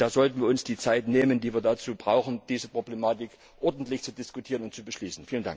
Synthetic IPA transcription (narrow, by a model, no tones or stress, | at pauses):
d̥aːzɔltn̩viːɐʊnsd̥iːt͡saɪtneːməndiːviːɐdat͡suːbʁaʊxn̩d̥iːzəpʁ̥oblemaːtɪk | ʔɔɐdn̩tlɪçt͡sudɪskʊtʰiːʁənʊnt̚t͡subəʃliːsn̩fiːlənda̰ŋk